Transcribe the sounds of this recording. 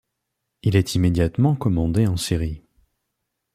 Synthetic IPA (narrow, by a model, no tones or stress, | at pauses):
ilɛt̪ʰimed̪jat̪mɑ̃kɔmɑ̃d̪eɑ̃siʁi